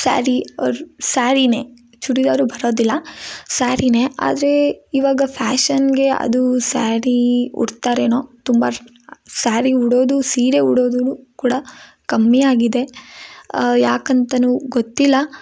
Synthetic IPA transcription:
sa̰ːɾiɐusaːɾine̞ː | t͡ʃuɽid̪ɐːɾubʱɐɾo̞ːd̪ilːɐsaːɾine̞ʔa̰ːd̪ɐɾe̞iʋaːɡɐpʰaːʃɐnɡe̞ɐ̰d̪usaːɾiṵɾt̪aːɾenoːt̪umbɐ | saːɾiuɽo̞ːd̪usiːɾeuɽoːd̪uɾukuːɽɐ | kɐmːijaːɡid̪e̞ | jaːkɐnt̪ɐnuɡot̪ːilːɐ

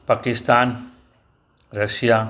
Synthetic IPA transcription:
paːkɪst̪aːn | ɾɐʃija

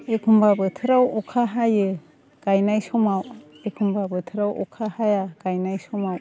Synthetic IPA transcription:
ekʰumbabɯtʰɯɾawɔkʰaɦajɯ | ɡ̥ajnajsɔmaw | ekʰumbabɯt̪ʰɯɾawʔɔkʰahajaɡ̥ajnajsɔmaw

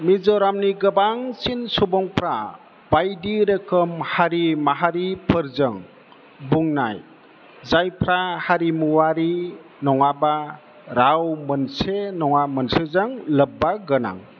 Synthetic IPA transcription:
mizɔɾamniɡəbaŋsinsɔbɔŋpʰɾa | bajdiɾəkʰəmhaɾimaɦaɾipʰəɾzəŋ | buŋna̰j | zajpʰɾahaɾimuwaɾi | nɔŋaba | ɾawmənsenɔŋamənsɯzaŋləbːaɡəna̰ŋ

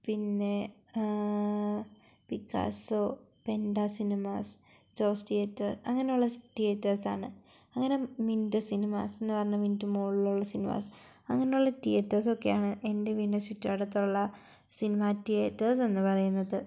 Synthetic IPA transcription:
pinːe̞ | pikːa̰ːsope̞ndasinimaːs | t͡ɕoːsʈietːɐsɐ̰ŋːɐne̞juɭːɐtietːɐrsa̰ːɳɨ | ɐŋːɐnemindɨsinima̰ːsenːɨpɐrɐɲːɐmindɨmoːɭiluɭːɐsinima̰ːs | ɐŋːɐnejuɭːɐtietːɐs̬o̞kːejaːɳɨʔe̞ndeʋinɐsutːaɽɐt̪ːuɭːɐ | sinimaːtːijetːɐs̬e̞nːɨpɐrɐjunːɐðɨ

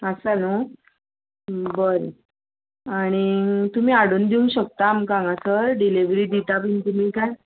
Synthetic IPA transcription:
əsano | bəɾ | aɽ̃it̪um̤iːaɽund̪iũŋɕək̚t̪aːmkãŋɡasəɾɖiliʋɾiːd̪it̪apint̪um̤iːkaj

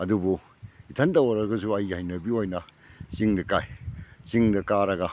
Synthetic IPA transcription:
ɐdubu | itʰɐntɐwɐɾɐɡɐsuɐjhajnɐbiojnɐ | siŋdɐkajsiŋdɐkaɾɐɡɐ

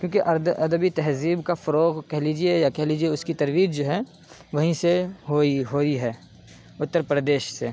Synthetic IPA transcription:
kjõːkiʔɐɾd̪ɐd̪əbit̪ɛɦziːbkafɐɾoːɣkɛɦliːd͡ʒiejakɛɦliːd͡ʒieʊskit̪ɐɾʋiːd͡ʒd͡ʒoːɦɛ | ʋɐɦĩseɦoiɦoːiɦɛː | ʊt̪ːəɾpɾəd̪eːʃseː

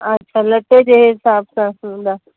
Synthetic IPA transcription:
ɐtːʃʰalɐʈːed͡ʒeɦɪsaːbsãsũd̪a

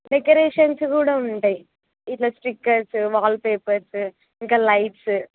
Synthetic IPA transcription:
ɖekɐɾeːʂɐnskuːɽaːuɳʈaːji | iʈloːsʈɾikːɐɾsʋaːlpeːpɐɾs | iŋkaːlɐjʈs

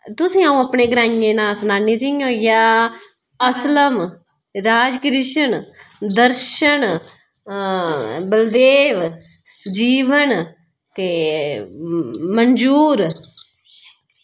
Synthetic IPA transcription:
t̪ʊsĩːaːũːəpɳeːɡɾãːẽːnãːsənaːniːd͡ʒĩɦoːijaː | əsləm | ɾaːd͡ʒkɾɪʃənd̪əɾʃən | bəld̪eːʋ | d͡ʒiːʋən | t̪eː | mənd͡ʒuːɾ

